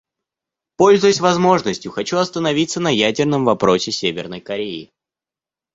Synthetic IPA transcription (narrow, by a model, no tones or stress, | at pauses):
po̞lʲzʊjʊsʲvɐzmo̞ʐnəsʲtʲjʊxɐt͡ɕuɐst̪ənɐvʲit̪sənɐjædʲɪrnəmvɐpɾo̞sʲɪsʲevʲɪrnəjkɐɾʲeɪ